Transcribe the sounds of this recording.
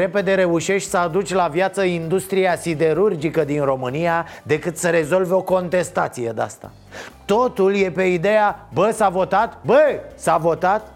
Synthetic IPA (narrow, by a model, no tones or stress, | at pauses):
ɾe̞pe̞d̪e̞ɾe̞uʃe̞ʃt̪ʲsəad̪ut͡ʃʲlavjat̪səind̪ust̪ɾijasid̪e̞ɾurd͡ʒikəd̪inro̞mɨnijad̪e̞kɨt̪səɾe̞zo̞lveo̞ko̞nt̪e̞st̪at̪sije̞d̪ea̰st̪a̰ | t̪o̞t̪ulje̞pe̞id̪e̞jabəsavo̞t̪at̪bəsavo̞t̪at̪